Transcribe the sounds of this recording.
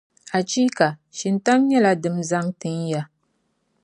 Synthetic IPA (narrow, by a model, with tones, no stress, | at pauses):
a˨t͡ʃiː˦ka˨ʃi˨nta˦ŋɲɛ˦la˨dɨ˨mza˦ŋtɨ˨ɲja˦